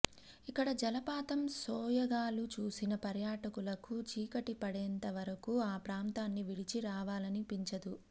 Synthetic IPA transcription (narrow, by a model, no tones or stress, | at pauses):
ikːɐɽɐd͡ʒɐlɐpaːt̪ɐmsɔːjɐɡaːlut͡ʃuːsinɐpɐɾjaːʈɐkulɐkut͡ʃiːkɐʈipɐɽɛːnt̪ɐʋɐɾɐkuaːpɾaːnt̪aːnːiʋiɽit͡ʃiɾaːʋaːlɐnipiɲt͡ʃɐd̪u